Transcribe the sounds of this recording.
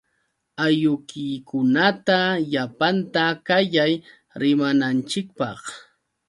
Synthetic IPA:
ajʊkɪjkʊnat̪aʎapant̪akajaj | ɾɪmanant͡ʃɪk̚pɑχ

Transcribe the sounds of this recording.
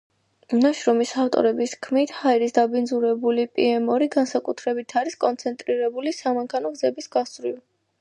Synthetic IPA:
naʃɾɔmisaft̪ʼɔ̰ɾɛbiskʰmit̪ʰhaiɾisd̪abind̪zuɾɛbulipʼiɛmɔɾiɡansakʼut̪ʰɾɛbit̪ʰaɾiskʼɔnt̪sʰɛnt̪ʼɾiɾɛbulisamaŋkʰanɔɡzɛbisɡ̥asɾiv

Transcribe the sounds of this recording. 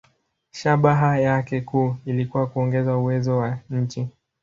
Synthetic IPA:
ʃaɓaɦajakɛkuːilikuwakuɔŋɡɛzauwɛzɔwaɲ̩t͡ʃi

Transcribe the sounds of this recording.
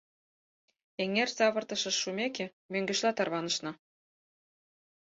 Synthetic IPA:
eŋersɑβɤ̆rt̪ɤ̆ʃɤ̆ʃːumʲekĕ | møŋɡɘ̆ʃlɑt̪ɑrβɑnɤ̆ʃnɤ̆

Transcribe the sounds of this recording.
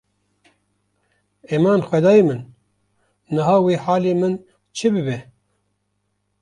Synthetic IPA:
eːmɑːnxʷɛd̪ɑːjemɨn | nɨɦaːweːħaːleːmɨn | t͡ʃʰɨbɨbɛ

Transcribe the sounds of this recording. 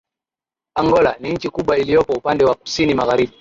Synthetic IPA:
aŋɡɔlaniɲ̩t͡ʃikuɓwailijɔpɔupandɛwaku̥sinimaɣaɾiɓi

